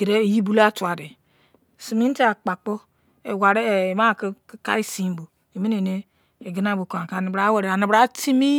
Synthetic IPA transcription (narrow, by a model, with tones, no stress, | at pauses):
ɡe˨ɾe˦˨ji˦bu˦la˦tu˨a˨de˨ | si˨mi˦n˦ti˦a˨k͡pa˨k͡po˦ | e˨wa˨ɾe˦˨ma˦˨kka̰˦i˦si˦m˦bo˨ | e˨mi˦ne˨ne˦ | e˨ɡi˦na˦˨bo˨ka˨ka˨ni˨bɾa˨˦we˨ɾe˨a˨ni˨bɾa˦ti˦mi˦